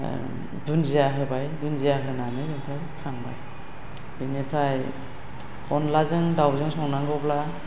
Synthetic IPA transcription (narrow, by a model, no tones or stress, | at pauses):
dunzijaɦɯbajdunzijakʰɯnanɯdɯnpʰɾajkʰaŋba̰j | dɯnepʰɾaj | ɔnlazɯŋdawzɯŋsɔŋnaŋɡɔpla